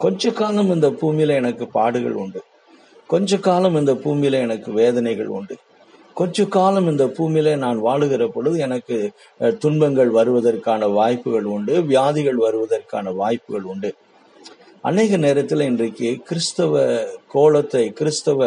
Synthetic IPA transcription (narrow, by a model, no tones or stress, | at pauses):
kɔɲd͡ʒɐkaːlɐmɪnd̪ɐpuːmɪjlɐɛnɐkːɯpaːɽɯɣɐ̰ɭʊ̰ɳɖɯ | kɔɲd͡ʒɐkaːlɐmɪnd̪ɐpuːmɪjlɐɛnɐkːɯʋeːðɐnɐɪɣɐ̰ɭʊ̰ɳɖɯ | kɔɲd͡ʒɐkːaːlɐmɪnd̪ɐpuːmɪjlenaːnʋaːɭɯɣɪrɐpːɔɽɯðɯɛnɐkːɯ | t̪ʊnbɐŋɡɐɭʋɐɾɯʋɐðɐrkaːnɐʋaːjpːɯɣɐɭʊɳɖɯʋɪjaːðɪɣɐɭʋɐɾɯʋɐðɐrka̰ːnɐʋaːjpːɯɣɐɭʊɳɖɯ | ʔɐ̰neːɣɐneːɾɐt̪ːɪlɪndrɐkːɯkɪɾɪst̪ɐʋɐkoːɭɐt̪ːɐɪkɪɾɯst̪ɐʋɐ